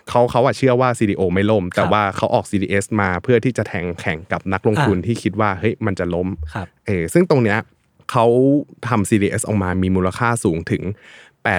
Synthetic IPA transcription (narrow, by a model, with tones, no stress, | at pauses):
kʰa˦˥wkʰa˦˥wʔaː˨˩t͡ɕʰɯ˥˩ɐwaː˥˩siː˧diː˧ʔoː˧ma˥˩jlo˥˩mt̪ɛː˨˩waː˥˩kʰa˦˥wʔɔː˨˩k̚siː˧iː˧ʔe˦˥smaː˧pʰɯ˥˩ɐt̪ʰiː˥˩t͡ɕa˨˩t̪ʰɛː˩˦ŋkʰɛ˨˩˦ŋka˨˩p̚na˦˥k̚lo˧ŋt̪ʰu˧nt̪ʰiː˥˩kʰi˦˥t̪̚waː˥˩hɤ˦˥jma˧nt͡ɕa˨˩lo˦˥˩mʔɤː˧sɯ˥˩ŋt̪o˧ŋni˦˥ɐ | kʰa˦˥wt̪ʰa˧msiː˧diː˧ʔe˦˥sʔɔː˨˩maː˧miː˧muː˧la˧kʰaː˥˩suː˩˦ŋt̪ʰɯ˨˩˦ŋ | pɛː˨˩